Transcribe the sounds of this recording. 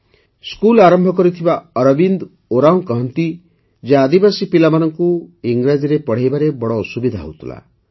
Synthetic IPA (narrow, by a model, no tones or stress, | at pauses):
skulaɾɔmbʱɔkɔɾit̪ʰibaɔɾɔbind̪ | oɾaw̃kɔɦɔnt̪i | d͡ʒead̪ibasipilamanɔŋkuiŋɡɾad͡ʒiɾepɔɽ̤ajbaɾebɔɽɔːsubid̪ʱaɦo̰wt̪ʰula̰